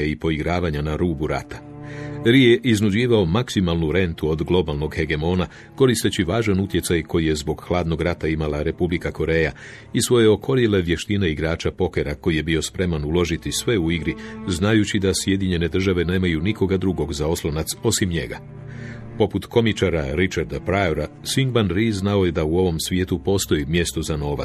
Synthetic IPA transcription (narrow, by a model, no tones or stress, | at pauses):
eipo̞iɡɾaːʋaɲanaɾuːbuɾa̰t̪ḁ | ɾijeʔiznud͡ʑiːʋao̞maksimalˠnuɾe̞nt̪uo̞d̪ɡlˠo̞balˠno̞ɡxe̞ɡe̞mo̞ːna | ko̞ɾist̪e̞t͡ɕiʋaːʒanut̪je̞tsajkʰo̞jije̞zbo̞ɡxlˠaːd̪no̞ɡɾat̪aimalaɾe̞publikako̞ɾe̞ːja | isʋo̞je̞o̞kʰo̞ɾjele̞ʋje̞ʃt̪ineiɡɾaːt͡ʃapo̞ke̞ɾako̞jije̞bio̞spɾe̞manulo̞ʒit̪isʋe̞uiɡɾiznajut͡ɕid̪asje̞d̪iɲe̞ne̞d̪r̩ʒaʋe̞ne̞ːmajunikʰo̞ɡad̪ɾuɡo̞ɡzao̞slˠonat̪so̞simɲe̞̰ɡa̰ | po̞put̪kʰo̞mit͡ʃaɾaɾit͡ʃaɾd̪apɾaoɾasiŋɡbanɾiznao̞je̞d̪auo̞ʋo̞msʋʲjet̪upo̞ːst̪o̞jimje̞st̪ozano̞ːʋa